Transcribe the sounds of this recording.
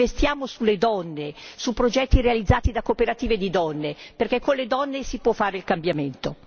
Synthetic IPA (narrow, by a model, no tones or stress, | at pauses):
est̪jaːmosuled̪ɔnːesupːɾod͡ʒɛt̪ːiɾealid̪zːaːt̪id̪akopeɾat̪iːved̪id̪ɔnːeperkɛkːoled̪ɔnːesipwɔfːaːɾeilkambjament̪o